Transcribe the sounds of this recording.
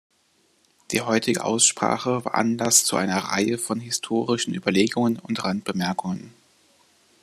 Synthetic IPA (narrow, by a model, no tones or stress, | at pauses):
d̥iːɦɔʏtʰɪɡə̰ʔa̰ʊsʃpʁ̥a̰ːχəva̰ːɐʔanlast͡suʔa̰ɪnɐʁa̰ɪəfɔnɦɪstʰoːʁɪʃn̩ʔy̰ːbɐleːɡʊŋənʊntʁant̚b̥əmɛɐkʊŋən